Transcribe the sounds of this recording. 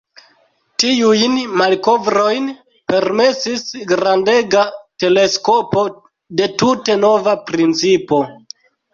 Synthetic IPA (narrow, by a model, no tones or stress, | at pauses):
tiujnmalko̞vɾo̞jn | pe̞ɾme̞sisɡɾande̞ɡate̞le̞sko̞po̞ | de̞tute̞no̞vapɾint͡sipo̞